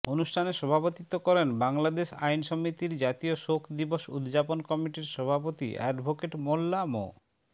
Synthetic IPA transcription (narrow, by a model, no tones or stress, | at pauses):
onuʃʈʰaneʃɔbʱapot̪it̪ːokɔɾenbaŋlad̪eʃa̰jnʃɔmit̪iɾd͡ʑat̪ioʃokʰd̪iboʃṵd̪d͡ʑaponkɔmiʈiɾʃɔbʱapot̪ḭʔɛ̰ɖbʱokeʈmolːamo̰